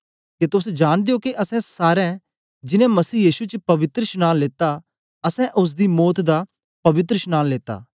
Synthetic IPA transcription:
ket̪ʊs̬d͡ʒaːñd̪eokeʔɐsɛ̃saːɾɛ̃ | d͡ʒɪnɛ̃mɐsiːjiːʃut͡ʃpɐʋɪt̪ɾəʃnaːnleːt̪a | ɐsɛ̃ʔʊs̬d̪imɔːt̪d̪a | pɐʋɪt̪ɾəʃnaːnleːt̪a̰ː

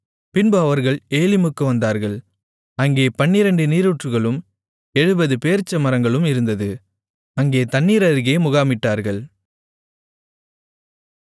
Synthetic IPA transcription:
pɪnbɯɐʋɐɾɣɐɭeːlɪmɯkːɯʋɐnd̪aːɾɣɐɭ | ɐŋɡeːpɐɳːiɾɐɳɖɯniːɾuʈrɯɣɐɭɯm | ɛɻɯbɐðɯpeːɾt͡ʃːɐmɐɾɐŋɡɐɭɯmɪɾɯnd̪ɐðɯ | ɐŋɡeːt̪ɐnːiːɾɐɾɣeːmʊɣaːmɪʈːaːɾɣɐɭ

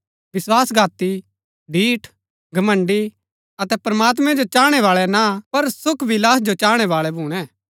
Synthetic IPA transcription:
ʋɪswaːsɡʱaːt̪i | ɖʱiːʈʰ | ɡʱɐmə̃ɳɖi | ɐt̪ɛpɾɐmaːt̪̬mɛ̃d͡ʒot͡ʃaːɽ̃ɛʋaːɭɛnapɐɾsʊkʰʋɪlaːsd͡ʒot͡ʃaːɽ̃ɛʋaːɭɛbʱuːɽ̃ɛ̃ː

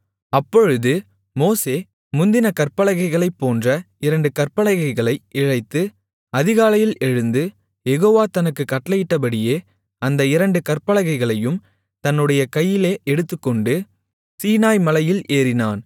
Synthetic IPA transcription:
ɐpːɔɻɯðɯ | moːseː | mʊnd̪ɪnɐkɐrpɐlɐɣɐɪɣɐɭɐɪpːoːndrɐ | ɪɾɐɳɖɯkɐrpɐlɐɣɐɪɣɐɭɐɪɪɻɐɪt̪ːɯ | ɐðɪɣaːlɐjɪlɛɻɯnd̪ɯ | jɛɣoːʋaːt̪ɐnɯkːɯkːɐʈːlɐjɪʈːɐp̬ɐɽɪjeː | ɐnd̪ɐɪɾɐɳɖɯkɐrpɐɭɐɣɐɪɣɐɭɐjɯm | t̪ɐnːɯɽɐjɐkɐjːɪleːʔɛɽɯt̪ːɯkːɔɳɖɯ | siːnaːjmɐlɐjɪleːɾɪnaːn

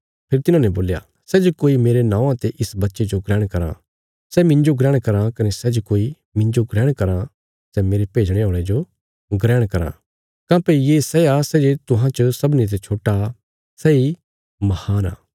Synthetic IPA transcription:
pʰɪɾt̪ɪnãːnɛboːlja̰ | sɛːd͡ʒokoːimeːɾenãːãt̪eʔɪsbɐtːʃed͡ʒoɡɾɛːɽ̃kɐɾã̰ | sɛmɪ̃ɲd͡ʒoɡɾɛːɽ̃kɐɾãkɐnɛsɛd͡ʒokoːi | mɪ̃ɲd͡ʒoɡɾɛːɽ̃kɐɾã | sɛmeːɾepeːd͡ʒɽ̃eɦõːɽ̃ed͡ʒo | ɡɾɛːɽ̃kɐɾã̰ | kãːpeijesɛasɛːd͡ʒet̪ʊɦãt͡ʃəsɐbnit̪̬et͡ʃʰoːʈa | sɛi | mɐhaːna̰ː

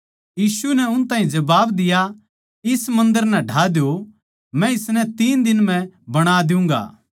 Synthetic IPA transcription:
jiːsunɛʊnt̪ãːɦĩd͡ʒɐbaːbd̪ɪja | ɪsmɐ̃nd̪əɾnɛ̃ɖʱaːd̪jo | mɛ̃ɪsnɛt̪iːnd̪ɪnmɛ̃bɐɽ̃aːd̪ɪʊ̃ːŋɡa̰ː

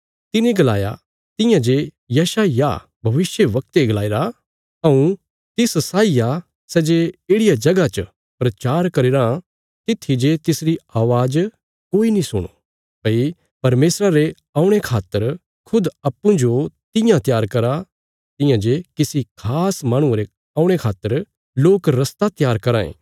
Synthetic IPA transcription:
t̪ɪnẽɡɐla̰ːja̰ | t̪ɪ̃jãd͡ʒe | jɐʃaːja̰ | bʱɐʋɪʃjəʋɐk̚t̪eɡɐlaːeːɾa | ɐ̃ũ | t̪ɪssaːija | sɛːd͡ʒeeːɽɪjad͡ʒɐɡat͡ʃə | pɾɐt͡ʃaːɾkɐɾeːɾã | t̪ɪt̪ʰːid͡ʒet̪ɪsɾiaːʋaːd͡ʒ | koːinĩsʊ̰ɽ̃o̰ | pɐi | pɐɾmeːsɾaɾe | ãːʊ̃ɽ̃ekʰaːt̪ːəɾ | kʰʊd̪ɐpːũd͡ʒot̪ɪ̃jãt̪jaːɾkɐɾa | t̪ɪ̃jãd͡ʒekɪsikʰaːsmaːɽ̃ũɾe | ãːʊ̃ɽ̃ekʰaːt̪ːəɾ | loːkɾɐst̪at̪jaːɾkɐɾãːḛ̃ː

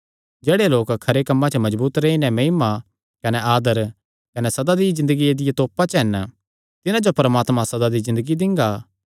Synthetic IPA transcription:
d͡ʒeːɽeloːkkʰːɐɾekɐmːãt͡ʃəmɐd͡ʒbuːt̪ɾeinɛ̃mɐɦima | kɐnɛaːd̪əɾ | kɐnɛsɐd̪ad̪ijzɪ̃nd̪əɡied̪ɪjat̪oːpat͡ʃɦɛn | t̪ɪnãd͡ʒopɐɾəmaːt̪mãsɐd̪ad̪izɪ̃nd̪əɡid̪ɪ̃ŋɡaː

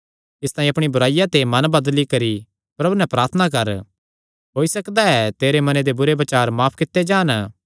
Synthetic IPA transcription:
ɪst̪ãːĩɐpɽ̃ibʱʊɾaːɪjat̪emɐ̃nbɐd̪likɐɾi | pɾɐbunɛpɾaːɾt̪ʰənak̬ɐɾ | ɦoːisɐkd̪aɛt̪eːɾemɐned̪ebʊɾeʋɐt͡ʃaːɾmaːpʰkɪt̪ːed͡ʒaːn

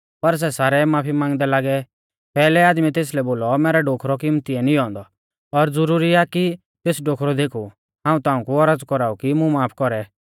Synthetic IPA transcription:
pɐɾs̬ɛsaːɾɛmaːpʰimãːŋɡd̪ɛlaːɡɛ | pɛːlɛaːd̪mit̪eːs̬lɛboːlɔmɛːɾɛɖoːkʰɾɔkɪmt̪iɛnĩɦɔ̃ːnd̪ɔ | ɔɾd͡zʊɾuːɾiaki | t̪eːsɖoːkʰɾɔd̪eːkʰu | ɦãːũt̪aːũkuɔɾəd͡zkɔɾaːukimũmaːpʰkɔɾɛ

